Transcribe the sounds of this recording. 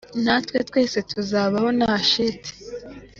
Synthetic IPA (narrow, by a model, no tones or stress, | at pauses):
natwetkwe̞ːse̞tʰuzaːβaho̞nahaʃiti̥